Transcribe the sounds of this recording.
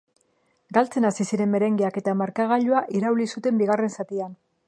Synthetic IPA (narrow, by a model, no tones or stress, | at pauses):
ɡalt͡se̞nasisiɾe̞mme̞ɾe̞ŋɡeake̞t̪amaɾkaɣ̞aʎoaʔiɾawlisut̪e̞mbiɣare̞nsat̪ian